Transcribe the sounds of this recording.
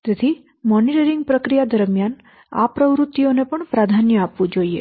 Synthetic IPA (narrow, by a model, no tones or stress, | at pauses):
t̪et̪ʰi | mɔniʈəɾiŋɡ̚pɾəkɾijad̪əɾmjan | a̰pɾəʋɾut̪ːionepəɳpɾad̪ʱanjəapʋũd͡ʒoiḛ